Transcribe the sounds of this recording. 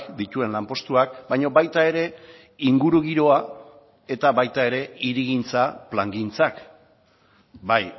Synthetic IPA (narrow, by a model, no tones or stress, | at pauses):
kd̪it̪ue̞nlampo̞st̪uak̚bajɲo̞bajt̪ae̞ɾe̞ | iŋɡuɾuɣ̞iɾo̞a | e̞t̪aβajt̪ae̞ɾe̞iɾiɣ̞int͡saplaŋɡint͡sak | baj